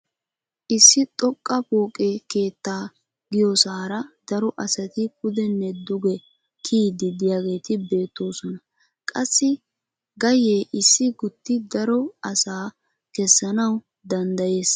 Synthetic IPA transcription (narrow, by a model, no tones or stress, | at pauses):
ʔɪsːɪt̪ʼɔkʼːɐpoːkʼeke̞ːt̪ːaː | ɡɪjɔsaːɾɐd̪̥ɐɾɔʔɐsɐt̪ɪkʼʊd̪ɛnːɛd̪ʊɡɛ | kʰiːd̪ɪd̪ɪjaːɡe̞ːt̪ɪbe̞ːt̪ːo̞ːsɔnɐ | kʼɐsːɪ | ɡɐjeːʔɪsːɪɡʊt̪ːɪd̪ɐɾɔɐsaː | kɛsːɐnɐw | d̪ɐnd̪ɐje̞ːs